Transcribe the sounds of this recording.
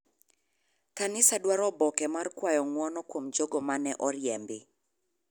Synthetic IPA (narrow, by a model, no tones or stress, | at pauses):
kanɪsadwaɾɔbɔkɛmarkwajɔŋwɔnɔkwomd͡ʒoɡɔmanɛʔɔrjɛmbɪ